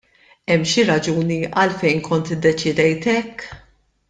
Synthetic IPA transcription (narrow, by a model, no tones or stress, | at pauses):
ɛmːʃiɾɐd͡ʒuːniɐ̰lfɛjnkɔnt̪ɪd̪ːɛt͡ʃɪd̪ɛjt̪ɛkː